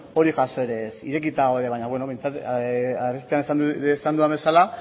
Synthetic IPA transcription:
o̞ɾiʝaso̞eɾe̞sḭɾe̞k̬it̪aoeðe̞βaɲaβweno̞βe̞jnt͡sat̪arist̪eanessand̪uaβe̞sala

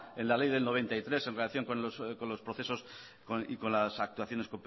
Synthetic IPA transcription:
e̞nlalejðe̞lno̞β̞e̞nt̪ait̪ɾe̞se̞nrelaθjo̞ŋkonoskonlo̞spɾoθeso̞s | koiko̞nlasak̚t̪uaθjo̞nekomp

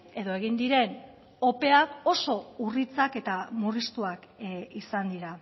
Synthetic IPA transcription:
e̞ðo̞e̞ɣ̞ind̪iɾe̞n | o̞pe̞ako̞so̞urit͡sake̞t̪amurist̪uakisand̪iɾa

